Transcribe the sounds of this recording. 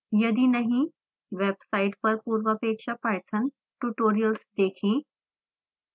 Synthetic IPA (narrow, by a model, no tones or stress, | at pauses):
jɐd̪inɐɦĩ | ʋeːbsaːɪʈpɐɾpuːɾʋəɐpeːkʃapaːjt̪ʰən | ʈuʈoːɾijəlsd̪eːkʰẽː